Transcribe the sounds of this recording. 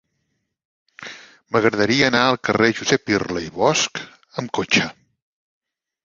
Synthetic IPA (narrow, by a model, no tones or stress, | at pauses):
məɣɾəðəɾiəːnaəlˠkəreʒuzɛpirləiβɔsk | əmkot͡ʃə